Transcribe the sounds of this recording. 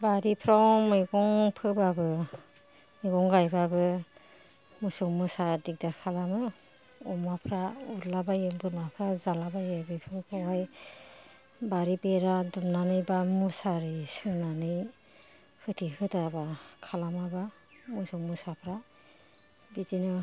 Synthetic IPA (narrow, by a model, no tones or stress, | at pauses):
baɾipʰɾawmɯjɡɔŋpʰɯbabɯ | miɡɔŋɡajbabɯ | musɔŋmɯsadik̚dakʰalamɯ | ɔmapʰɾauɾlabajɯbɯnapʰɾazalabajɯbipʰɯpʰɯwaj | baɾibeɾadumnanɯjbamusaɾisɯnanɯj | hɯtʰihɯtabakʰalamaba | musɔŋmɯsapʰɾa | bizinɯ